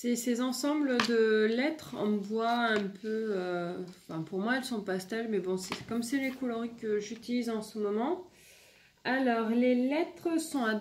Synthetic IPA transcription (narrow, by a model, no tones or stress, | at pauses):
sesezɑ̃sɑ̃bləd̪əlɛt̪χɑ̰̃vwaɛ̃pʰøøɑ̃fɛ̃puʁmwaɛlsɔ̃past̪almɛbɔ̃sɛkɔmsɛlekulɔʁikəʒyt̪ilizɑ̃səmɔmɑ̃ | alɔʁlelɛt̪χəsɔ̃a